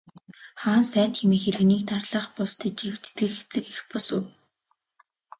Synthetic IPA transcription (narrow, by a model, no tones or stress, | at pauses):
χaːnsæːt̪xemeːxeɾɘ̆ɣniːkt̪arɮə̆χpʊst̪ʰə̆t͡ɕiw̥t̪ːɘ̆xe̥t͡sɘ̆kixpɔsuː